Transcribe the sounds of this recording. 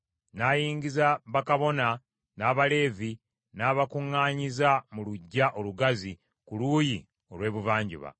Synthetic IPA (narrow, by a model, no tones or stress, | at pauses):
najiːɲɡizaβakaβo̞na | naːβale̞ːvi | naːβakuŋːaːɲizamuluɟːaʔo̞luɡazi | kuluːji | o̞lwe̞ːβuvaːɲɟṵβa̰